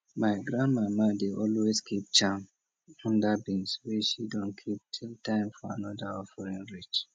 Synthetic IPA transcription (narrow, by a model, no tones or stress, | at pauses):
maɪɡɾãndmamadeʔɔlwezkʰip̚t͡ʃãm | ɔ̃ndabĩnsweʃidɔ̃nkʰip̚tʰiltãɪ̃mfɔa̰nɔdaɔfɔɹĩnɹit͡ʃ